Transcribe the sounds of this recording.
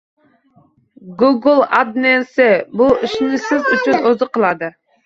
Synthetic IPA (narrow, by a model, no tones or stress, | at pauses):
ɡuɡɨlˠɑd̪̚nɛnsɪbuiʃnɪsɪzyt͡ʃʰynøzɨqʰəlˠɑd̪ɨ